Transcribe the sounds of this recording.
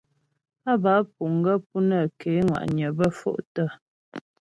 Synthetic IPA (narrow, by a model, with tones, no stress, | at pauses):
a˦ba˨˦p̚u˨ŋ˦ɡə˦p̚u˦nə˦˨ke˨˦ŋwa̰˨ʔɲə˨bə˦fo̰˦ʔtə˦˨